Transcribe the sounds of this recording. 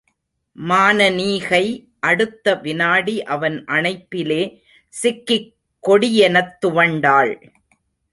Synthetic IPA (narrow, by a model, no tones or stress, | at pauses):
maːnɐniːɣɐɪ | ʔɐɽɯt̪ːɐʋɪnaːɽiʔɐʋɐnʔɐnɐɪpːɪleː | sɪkːɪ | kːɔɽɪjɛnɐt̪ːʊʋɐɳɖaːɭ